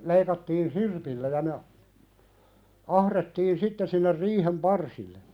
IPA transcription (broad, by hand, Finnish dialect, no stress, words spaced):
leikɑtːiːn sirpilːæ jɑ ne ɑ ɑhretːiːn sitːe sinːer riːhem pɑrsilːe